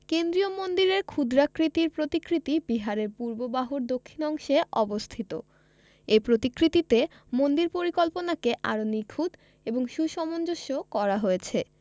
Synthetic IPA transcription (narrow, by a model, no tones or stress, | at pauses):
kend̪ɾiomond̪iɾeɾkʰud̪ɾakɾit̪iɾpɾot̪ikɾit̪ibiɦaɾeɾpuɾbobaɦuɾd̪okʰːinɔŋʃeʔɔbost̪ʰit̪o̰ | epɾot̪ikɾit̪it̪e | mond̪iɾpoɾikɔlponakeʔa̰ɾonikʰud̪ | eboŋʃuʃɔmond͡ʑoʃːokɔɾaɦojet͡ɕʰe